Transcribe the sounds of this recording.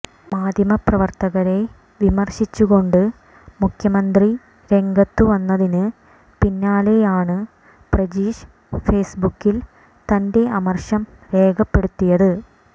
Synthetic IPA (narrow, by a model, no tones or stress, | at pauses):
maːd̪ʱjɐmɐprɐʋɐrt̪ɐɣɐɾe̞ | ʋimɐrɕit͡ɕːuɣo̞ɳɖɨ | mukʰjɐmɐnd̪ri | ɾe̞ŋɡɐt̪ːuʋɐnːɐðinɨ | pinːaːle̞jaːɳɨ | prɐd͡ʑiːɕ | fe̞ːsbukːil | t̪ɐnde̞ɐmɐrɕɐm | ʋe̞ːkʰɐpːe̞ɽut̪ːijɐðɨ